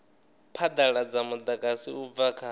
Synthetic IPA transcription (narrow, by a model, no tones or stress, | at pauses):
pʰad̪aɺad͡zamud̪akʼasiub̪vakʰa